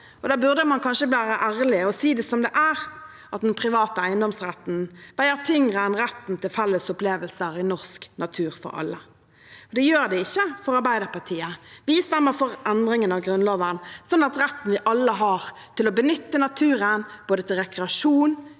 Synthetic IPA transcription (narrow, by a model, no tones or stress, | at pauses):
ɔd̪ɑːbʉʁd̪əmɑnkʰɑnʂəbliːʋæːɾəʔæːʁlɪɔsiːd̪ɛsɔmd̪ɛʔæɾ | ʔɑt̪̚d̪ɛnpʰɾɪʋɑːt̪əæɪənd̪ɔmsʁɛt̪n̩ʋæɪəʁt̪ʰʏŋʁənʁɛt̪ːn̩t̪ʰɪlfɛlːəsʊpleːʋəlsəɾɪnɔʁsknʔɑt̪ʰʉːʁfɔ̰ɾɑ̰lːə | ɔd̪ɛjøːɾd̪ɛɪçːəfɔɾɑɾbæɪd̪əʁpɑtʰiːəʋɪst̪ɛmːəfɔɾɛnd̪ɾɪŋənɑʋɡɾʉnlɑːʋənsɔnːɑt̪ɾɛt̪ːn̩ʋɪʔɑlːəɦɑʁ | t̪ʰɪlɔbənʏt̪ːənɑt̪ʰʉːɾənb̥oːd̪ət̪ʰɪlʁɛkɾɛɑʂuːn